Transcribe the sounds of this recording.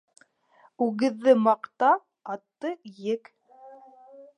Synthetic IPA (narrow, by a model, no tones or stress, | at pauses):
ʉɣɘ̆ðːɘmɑqt̪ɑ | ɑt̪ːɤjɘk